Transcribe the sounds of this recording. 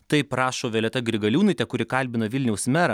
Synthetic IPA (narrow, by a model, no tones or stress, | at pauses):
t̪ɐɪpɾɑːʃoːʋʲeːlʲɛt̪ɐɡɾʲɪɡɐlʲuːnɐɪt̪ʲɛkʊɾʲɪkɐlʲbʲɪnɐʋʲɪlʲnʲɛʊsmʲæɾɐ